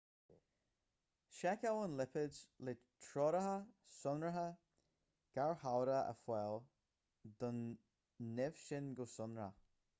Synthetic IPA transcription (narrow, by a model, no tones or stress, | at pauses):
ʃɛkawənlɪpɪzlɪ | tʰɹɔɾəɦəsʊnɹəɦə | ɡ̥aɹhawɾəə̰fwɛl | d̪ʊnː | ɪv̥ʃɪnɡʊsʊnɹə̰